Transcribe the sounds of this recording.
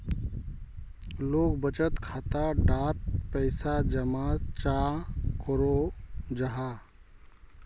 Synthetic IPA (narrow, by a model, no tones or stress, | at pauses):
loːkbət͡ʃət̪kʰaːt̪aɖat̪̚pəɪsad͡ʒəmat͡ʃakəɾod͡ʒəɦa